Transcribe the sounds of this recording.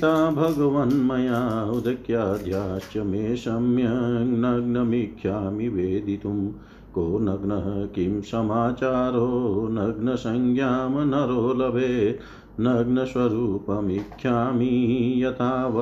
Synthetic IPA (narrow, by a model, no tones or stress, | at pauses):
t̪aːbʱɐɡɐʋɐnmɐjaːud̪ɐkjaːd̪ʱjaːʃjɐmeːʃɐmjɐnɐɡnɐmikʰjaːmiʋeːd̪it̪um | koːnɐɡnɐɦɐkimsɐmaːt͡ʃaːɾoːnɐɡnɐsɐŋɡjaːmɐnɐɾoːlɐbʱeː | nɐɡnɐsʋɐɾuːpɐmikʰjaːmijɐt̪ʰaːʋɐ